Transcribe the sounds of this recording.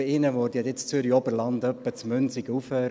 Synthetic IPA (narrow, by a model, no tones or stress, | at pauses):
iɪnəʋod̥̪id̪et͡st͡syɾiɔbəɾlɑnd̪œpːət͡smʏnsiɡəuføːɾ